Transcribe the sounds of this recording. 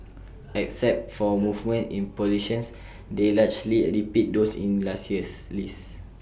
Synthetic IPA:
ɛk̚sɛp̚tfɔmuvmə̃ntḭ̃npɔziʃɔ̃ns | delad͡ʒliɹipit̚dosḭ̃nlasjəslis

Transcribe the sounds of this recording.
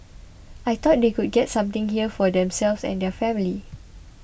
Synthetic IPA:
ʔajt̪ɔt̚d̪ekud̚ɡɛtsãmt̪ɪ̃ŋhiəfɔdɛ̃msɛlvsɛ̰̃ndɛfɛ̃mili

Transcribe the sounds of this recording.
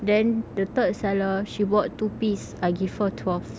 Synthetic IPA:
dɛ̃ndət̪əd̚sɛləʃibɔttːupis | aɪɡifətʰwɛlf

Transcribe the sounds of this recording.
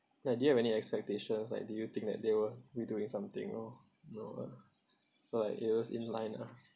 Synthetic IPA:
nadujuhɛvɛniɛkspɛk̚teʃə̃nsla̰ɪk̚dujut̪ɪ̃ŋk̚d̪ɛ̰t̚d̪ewəwiduɪ̃ŋsãmt̪ɪ̰̃ŋɔ̰ | jnoa̰ | solaɪkɪ̰t̚wɔsḭ̃nlã̰ɪ̃na

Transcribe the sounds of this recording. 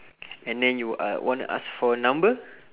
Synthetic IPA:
ɛ̃ndɛ̃njṵwɔ̰̃ntṵʔa̰sfɔnãmbə

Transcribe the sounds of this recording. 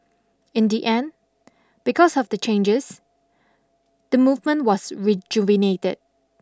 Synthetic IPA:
ɪ̃ndiʔɛ̃n | b̥ikɔsɔfdət͡ʃẽnd͡ʒəs | d̥əmuvmə̃ntwɔsɹid͡ʒuvinetə̰d̚

